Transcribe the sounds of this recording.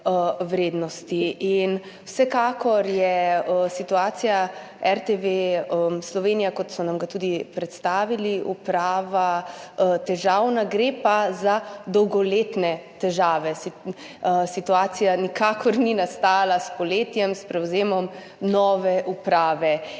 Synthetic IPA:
wɾeːd̪nɔst̪iin | wsɛkaːkɔɾjɛəsit̪uaːt̪sija | ɛɾt̪eʋeəslɔʋeːnijakɔt̪sɔnamɡat̪uːd̪ipɾɛt̪st̪aːʋiliupɾaːʋa | t̪ɛʒawnaɡɾepazad̪ɔwɡɔleːt̪nɛt̪ɛʒaːʋɛsi | sit̪uaːt̪sijanikakʰɔɾninast̪aːlaspɔleːt̪jɛmspɾɛwzeːmɔm | nɔːʋɛʔupɾaːʋɛ

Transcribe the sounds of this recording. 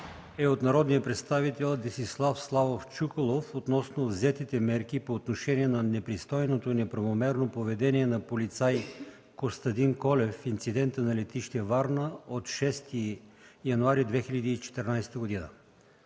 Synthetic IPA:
ɛot̪nɐɾɔd̪nijəpɾɛt̪st̪avit̪ɛlˠd̪ɛsislˠafslˠavoft͡ʃukolˠofot̪nɔsnovzɛt̪it̪ɛmɛɾkipoːt̪noʃɛniɛnɐnɛpɾist̪ɔjnot̪oinɛpɾɐvomɛɾnopovɛd̪ɛniɛnɐpolit̪saj | kost̪ɐd̪inkɔlɛfint̪sid̪ɛnt̪ənɐlɛt̪iʃt̪ɛvaɾnəot̪ʃɛst̪ijɐnuaɾid̪vɛxiʎʲɐd̪iːt͡ʃɛ̥t̪ɛɾnajst̪əɡod̪inə

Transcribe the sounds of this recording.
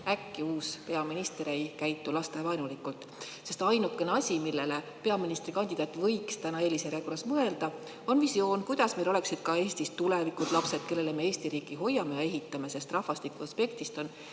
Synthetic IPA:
ækːiuːspe̞ɑminist̪eɾejkæjt̪ːˑulɑst̪evɑjnulikːult̪ˑ | se̞st̪ɑjnukˑːe̞neɑsʲimilːe̞le̞ | pe̞ɑminist̪ɾikɑnʲd̪̥ʲid̪ɑːt̪ːˑvɤ̞jkst̪ænɑe̞ːliseɾekorɑsmɤe̞ld̪̥ɑ | o̞nvisjo̞ːnkujd̪̥ɑsmejlo̞le̞ksid̪̥kɑe̞ːsʲt̪ist̪ulevikut̪ˑlɑpse̞d̪̥̚ke̞lːe̞le̞me̞e̞ːsʲt̪iɾiːkːˑiɦo̞jːɑme̞jɑe̞ɦit̪ːˑɑme̞se̞st̪rɑhvɑst̪ikːuɑspe̞kt̪ist̪o̞n

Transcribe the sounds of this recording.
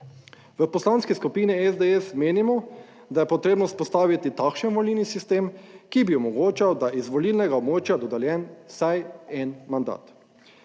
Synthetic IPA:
ʋəpɔslanskɛskupiːnɛɛzd̪eɛsmeːnimɔ | d̪ajɛpɔt̪ɾeːbnɔspɔst̪aːʋit̪it̪akʃɛnʋɔlinisist̪eːmkibiɔmɔɡoːt͡ʃawd̪aʔizʋɔlilnɛɡaɔbmoːt͡ʃjad̪ɔd̪ɛljɛnsajɛnmand̪a̰ːt̪

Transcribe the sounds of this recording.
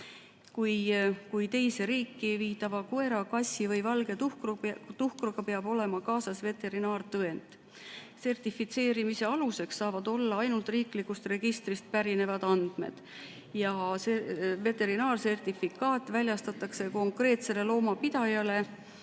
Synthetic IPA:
kujkujt̪e̞jse̞ɾiːkːˑiviːt̪ːˑɑvɑkue̞ɾɑkɑsʲivɤ̞jvɑlɡ̥e̞t̪ukrt̪uhkruɡɑpe̞ɑb̥o̞le̞mɑkɑːsɑsve̞t̪e̞ɾinɑːrt̪ɤe̞nd̪ | se̞rt̪ifːit̪se̞ːɾimise̞ɑluse̞ksɑːvɑd̪̥o̞lːɑɑjnult̪ˑriːklikːust̪re̞ɡ̥ist̪rist̪̚pæɾine̞vɑd̪̥ɑnd̪̥me̞̰d̪̥ | jɑsve̞t̪e̞ɾinɑːrse̞rt̪ifikɑːt̪ːˑvælʲjɑst̪ɑt̪ːˑɑkse̞ko̞ŋkre̞ːt̪se̞le̞lo̞ːmɑpid̪̥ɑjɑle̞

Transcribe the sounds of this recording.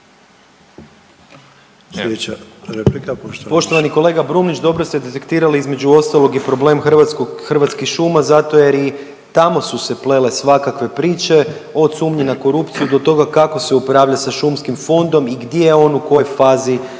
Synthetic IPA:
seɾepipo̞ʃt̪o̞ʋaniko̞le̞ɡabɾuːmnit͡ʃd̪o̞bɾo̞st̪ed̪e̞t̪e̞kt̪iːɾaliizmed͡ʒuo̞st̪alˠo̞ɡipɾo̞ble̞ːmxʋakoxərʋat̪skixʃumazat̪oje̞ɾi | t̪amo̞suseple̞le̞sʋakakʋe̞pɾiːt͡ʃe̞ | o̞sumɲinako̞ɾupt̪sijud̪o̞t̪o̞ɡakako̞se̞upɾaːʋʎasaʃumskimfo̞nd̪o̞miɡd̪jeeo̞nuko̞jfaːzi

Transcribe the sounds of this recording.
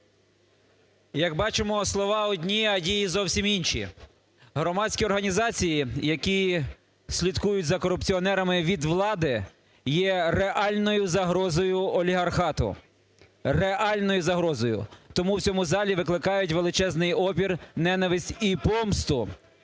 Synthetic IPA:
jɐɡbɑt͡ʃɪmɔslˠɔʋɑɔdʲnʲiɐdʲijizɔwsʲiminʃʲḭ | ɦɾɔmɑsʲkʲiɔrɦɐnʲizɑt͡sʲijijɐkʲi | sʲlʲid̪kujʊtʲzɐkɔɾʊpt͡sʲiɔnɛɾɐmɪʋʲid̪ʋlˠɑd̪ɪ | jɛreʔɑlʲnɔjʊzɐɦɾɔzɔjʊɔlʲiɦɐrxɑt̪ʊ̰ | reʔɑlʲnɔjʊzɐɦɾɔzɔjʊ̰t̪ɔmuwt͡sʲɔmuzɑlʲiʋɪklˠɪkɑjʊtʲʋelˠɪt͡ʃɛznɪjɔpʲirnɛnɐʋɪsʲtʲipɔmst̪ʊ

